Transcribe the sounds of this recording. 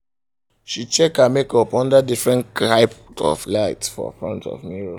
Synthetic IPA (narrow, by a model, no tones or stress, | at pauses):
ʃit͡ʃɛkamekɔpɔ̃ndadifɹɛ̃naɪpɔ̰flaɪtsfɔ̰fɹɔ̰̃ntɔ̰vmiɹo